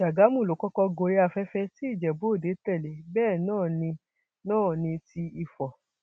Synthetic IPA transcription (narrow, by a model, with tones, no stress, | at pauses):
ʃa˨ɡa˨˦mũ˦˨lo˨˦kɔ˦kɔ˧ɡo˨ɾe˦a˧fɛ˦fɛ˧ti˦i˦˨d͡ʒɛ˨bo˨˦˨de˨˦tɛ˦˨le˨˦bɛː˦˨nãː˦˨nĩ˧ | nãː˦˨nĩ˧ti˧i˧fɔ˨